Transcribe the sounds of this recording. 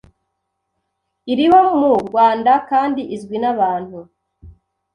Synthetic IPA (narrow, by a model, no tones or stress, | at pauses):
iɾiwomumuɡwaːndakaːndiʔizɡwinaβaːnhu